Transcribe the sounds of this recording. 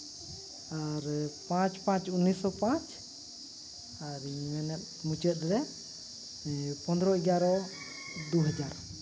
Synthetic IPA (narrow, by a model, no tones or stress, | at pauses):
aɾpãt͡ʃpãt͡ʃunisɔpãt͡ʃ | aɾimɛnɛt̪̚mut͡ʃət̪̚ˀɾɛ | pɔnd̪ɾɔiɡaɾɔ | d̪uɦad͡ʒaɾɔ